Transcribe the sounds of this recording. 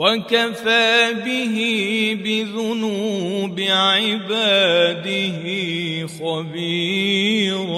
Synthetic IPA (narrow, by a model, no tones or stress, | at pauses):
wakafaːbɪɦɪbɪðʊnuːbɪʕɪbaːd̪ɪɦɪxɑbiː